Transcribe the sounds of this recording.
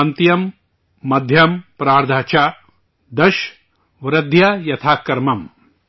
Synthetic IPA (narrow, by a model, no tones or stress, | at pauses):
ɐnt̪jɐmː | ɐd̪ʱjɐmpɾaːɾd̪ʱaːt͡ʃaː | d̪ɐʃ | ʋɾɐd̪ʱjɐjɐt̪ʰaːkːɐɾmɐm